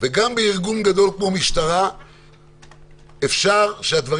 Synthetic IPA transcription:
veɡambeiʁɡunɡad̪o̞lkmo̞miʃt̪aʁa | efʃaʁʃead̪vaʁ

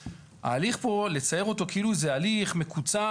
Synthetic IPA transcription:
a̰ːliχpo̞le̞t͡saje̞ʁo̞t̪o̞keiluezealiχme̞kut͡sa

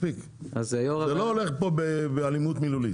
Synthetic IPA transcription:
pik | ʔazajoʁazelooleχpobebealimut̪miluli

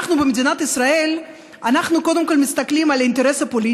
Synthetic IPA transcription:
χnubemed̪inat̪isʁae̞l | anaχnuko̞d̪e̞mko̞lmist̪aklimalaint̪e̞ʁe̞sapo̞li

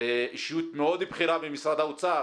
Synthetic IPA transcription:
eʔiʃjut̪meod̪ibχiɾabemisɾad̪aut͡sa

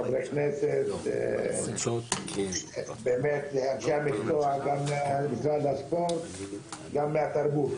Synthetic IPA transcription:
avɾekneset̪ | beːmet̪lehankiamikt͡soaɡamːbisɾalaspoɾt̪ɡamːeat̪aɾbut̪

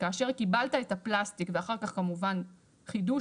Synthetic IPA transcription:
kaːʃe̞ʁkibaltaetaplastikveaχaʁkaχkamuvan | χidu

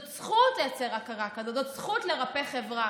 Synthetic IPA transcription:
t͡sχutejat͡seʁakaʁakadod̪ot͡sχutle̞ʁapeχevʁa

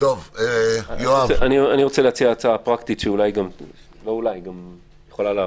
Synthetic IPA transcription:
t̪ov | joaeanianiʁot͡seleat͡siaːt͡saapʁakt̪it̪ʃeulajɡam | lo̞ulajɡam | jeχo̞laleː

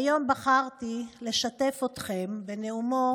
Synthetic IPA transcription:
jo̞mbaχaʁt̪ile̞ʃat̪e̞fot̪χe̞mbeneumo

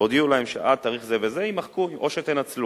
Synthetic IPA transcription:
od̪iulahemʃḛʔad̪̚t̪aʁiχzeve̞zeimaχkuimʔo̞ʃet̪enat͡slu

